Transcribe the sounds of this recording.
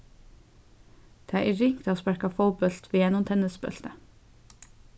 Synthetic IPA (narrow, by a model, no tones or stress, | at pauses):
d̪̥eːæːʔiɾɪŋt̪ʰoːspæɾkɑfɔlbœlt̪ʰʋiːjɛnʊmt̪ʰɛnəsbœ̰lt̪ə